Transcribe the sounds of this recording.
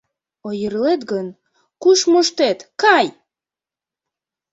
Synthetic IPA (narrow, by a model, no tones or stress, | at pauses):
ojərlet̪ɡən | kuʃmoʃt̪et̪kɑj